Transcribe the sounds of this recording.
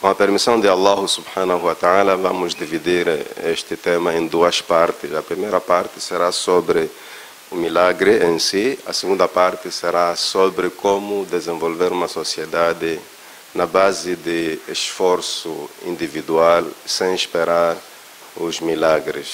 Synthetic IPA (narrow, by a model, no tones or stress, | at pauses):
kõɐpeɾmisɐ̃w̃d̪ɪalˠːaɦʊsubħanɐhuat̪ealɐvamʊzd̪ivid̪iɾeʃt̪ɪt̪emɐẽnd̪uɐspaɾt̪ɪsɐpɾimejɾɐpaɾt̪ɪ̥seɾasobɾɪ | umilaɡɾɪẽnsiɐ̰sɪɡũnd̪ɐpaɾt̪ɪseɾasobɾɪkomʊd̪ezẽvolveɾũmɐsosied̪ad̪ɪ | nɐbazɪd̪ɪeʃfoɾsuḭ̃nd̪ivid̪ualsẽj̃ʃpeɾaɾ | uzmilaɡɾɪ̰s